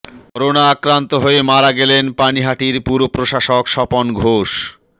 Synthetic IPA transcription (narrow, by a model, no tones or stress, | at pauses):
ɾonaakɾant̪oɦoemaɾaɡɛlenpaniɦaʈiɾpuɾopɾoʃaʃokʃɔponɡʱoʃ